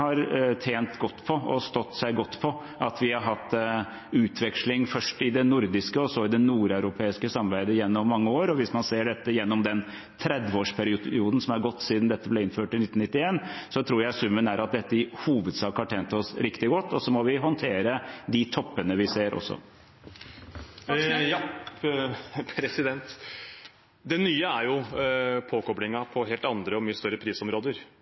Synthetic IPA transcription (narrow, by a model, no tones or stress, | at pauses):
hɑɾt̪ʰeːnt̪ɡɔt̪ːpʰɔɔst̪ɔt̪ːsæɪɡɔt̪ːpʰɔ | ʔɑt̪ʋɪhɑɾɦɑt̪ː | ʉːt̪ʰʋɛkʂlɪŋfœʂʈɪd̪ɛnʊɾd̪ɪskəɔsɔɪd̪ɛnuːɾæʉɾʊpʰeːɪskəsɑmbæɪd̪əjɛnːɔmːɑŋːəoːɾɔʋɪsmɑnseːɖɛt̪ːəjɛnːɔmd̪ɛn | t̪ʰɾɛd̪ʋəoːʂpʰæɾɪuːd̪n̩sɔmæɾɡɔt̪ːsiːd̪nd̪ɛt̪ːəblɛɪnføːʈɪnɪt̪ːn̩nɪt̪ːɪeːnsɔt̪ʰɾuːɾjæɪsʉmːənæɾʔɑt̪̚d̪ɛt̪ːəɪhuːʋəd̪sɑːkəhɑʈʰeːnt̪əɔsɾɪkt̪ɪɡɔt̪ːɔsɔmɔʋɪɦɔnt̪ʰeːɾəd̪ɪt̪ʰɔpːənəʋɪseːɾʔɔ̰sːɔ̰ | pʰɾɛsɪd̪ɛnt̪ | d̪ɛnːyːəæɾjʊpʰoːkɔbɽɪŋɑpʰɔɦeːlt̪ɑnd̪ɾəɔmyːəst̪œɾəpʰɾiːsɔmɾoːd̪əɾ